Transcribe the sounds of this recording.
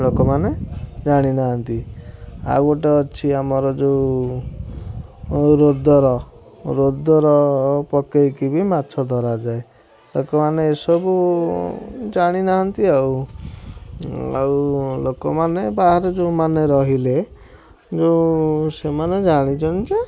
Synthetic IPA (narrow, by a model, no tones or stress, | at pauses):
lokɔmaned͡ʒaɽ̃inaɦɔnt̪i | a̰wɔʈ̬eɔt͡ʃʰiamɔɾɔd͡ʒeu | ɾod̪ʱɔɾɔ | ɾod̪ɔɾɔpɔkejkibimat̪ʰɔd̪ʱɔɾad͡ʒae | lokɔmaneːsɔbu | d͡ʒaɽ̃inaɦɔnt̪iaw | a̰wlokɔmanebaɦaɾɔd͡ʒeumaneɾɔɦile | d͡ʒeusemaned͡ʒaɽ̃it͡ʃʰɔnt͡ʃe